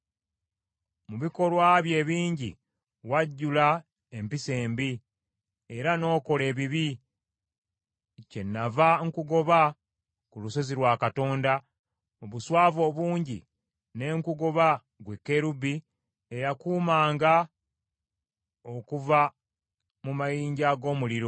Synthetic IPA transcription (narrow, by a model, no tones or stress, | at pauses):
muβiko̞lwaβje̞ːβiːɲɟḭ | waɟːula | empise̞ːmbi | eɾano̞ːko̞le̞ːβiβi | ce̞nːavaŋkuɡo̞βa | kuluso̞ziɾwaːkato̞ːnda | oβuswaːvoːβuːɲɟḭ | ne̞ːŋkuɡo̞βa | ɡwe̞kːe̞ɾubi | ejakuːmaːŋɡa | o̞kuva | mumajiːɲɟaɡo̞ːmuliɾo̞